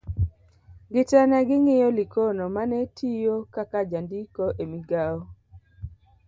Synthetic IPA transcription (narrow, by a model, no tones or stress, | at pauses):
ɡɪtanaɡɪŋɪjɔlɪkonomanɛtʰijokakad͡ʒandikoʔemiɡaɔ